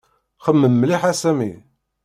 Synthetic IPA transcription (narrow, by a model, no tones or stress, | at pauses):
χəmːəmːliħasæmḭ